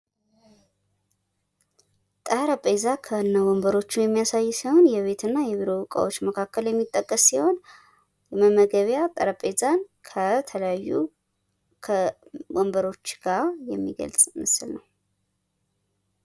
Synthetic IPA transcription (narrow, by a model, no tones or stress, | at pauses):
t̪ʼəɾəpʼezakʰəɨnːawombəɾo̞t͡ʃːujɛmːijasajːsiho̞njɛβe̞t̪ɨnːajɛβiɾo̞wkʼa̰wo̞t͡ʃːməkʰakʰːəljɛmːit̪ʼːəkʼːəsːiho̞n | jɛməmːəɡəβjat̪ʼə̰ɾəpʼezankʰət̪ʰələjajːu | kʰəwombəɾo̞t͡ʃːɡ̥aɾjɛmːiɡə̰lt͡sʼmɨsɨlnəw